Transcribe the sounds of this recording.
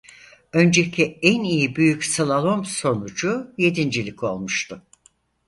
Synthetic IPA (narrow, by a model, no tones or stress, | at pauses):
ø̞nd͡ʒɛcʰiænijibyjycsalˠalˠomso̞nud͡ʒuje̞d̪ind͡ʒilʲikʰo̞lˠmuʃt̪ʰʊ